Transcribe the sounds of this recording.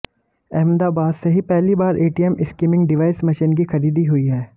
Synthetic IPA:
ɛɦmd̪aːbaːd̪seɦipɛɦlibaːɾʔeːʈiɛmʔɪskiːmɪ̃ŋɡɖɪʋaːɪsmɐʃinkixɐɾiːd̪iɦʊiɦɛː

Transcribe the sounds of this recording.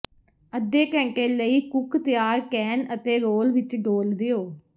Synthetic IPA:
əd̪eːkɛ̃ːɳkeːləiːkʊkt̪ɪjaːɾkɛːnət̪eːɾoːlʋɪt͡ʃɖoːld̪eoː

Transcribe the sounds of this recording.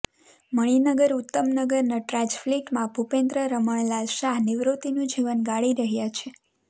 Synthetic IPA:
məɭ̃inəɡəɾut̪ːəmnəɡəɾnaʈɾad͡ʒfliʈmãbʱupẽnd̪ɾəɾəməɳ̃lalʃaniʋɾut̪inũd͡ʒiʋənɡaɭiɾəɦjat͡ʃʰe

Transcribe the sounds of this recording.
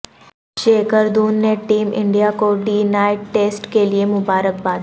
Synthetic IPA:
ʃeːkəɾd̪uːnːeʈiːmʔɪ̰̃ɳɖijakoɖiːnaːɪʈːeːsʈkeliemʊbaːɾək̚baːd̪

